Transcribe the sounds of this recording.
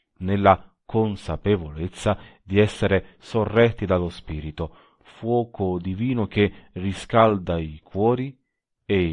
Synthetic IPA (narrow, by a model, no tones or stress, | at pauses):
nelːa | konsapevolet̪sːad̪iɛsːeɾe | sorːɛt̪ːid̪alospiːɾit̪ʊ | fwɔːkʰʊd̪iviːnʊk̟eriskald̪aikwɔːɾi | e